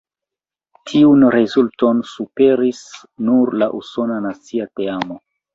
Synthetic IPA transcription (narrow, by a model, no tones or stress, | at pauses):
tʰiunɾezulto̞nsupe̞ɾis | nuɾlaʔuso̞nanat͡siate̞amo̞